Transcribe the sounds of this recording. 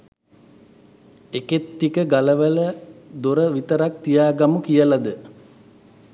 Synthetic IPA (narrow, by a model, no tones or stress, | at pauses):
eket̪ːikəɡaləʋələd̪oɾəʋit̪əɾak̚t̪ijaːɡamukijəlad̪ə